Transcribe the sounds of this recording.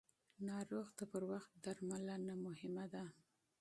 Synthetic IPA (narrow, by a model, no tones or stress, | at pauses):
nɑɾoɣd̪əpəɾwaxt̪̚d̪aɾmalanamʊhɪmad̪a